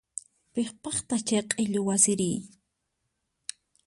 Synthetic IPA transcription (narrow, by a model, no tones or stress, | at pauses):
peχpɑχt̪ɑt͡ʃajqʼeʎʊwasɪɾiː